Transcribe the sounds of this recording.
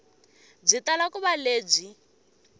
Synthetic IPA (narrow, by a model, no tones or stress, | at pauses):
b͡ʐitalakuβaleːb͡ʐi